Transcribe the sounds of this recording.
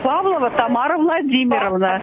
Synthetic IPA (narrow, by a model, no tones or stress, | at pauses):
pɑvlˠəvət̪ɑmɑɾəvlˠɑdʲimʲiɾəvnə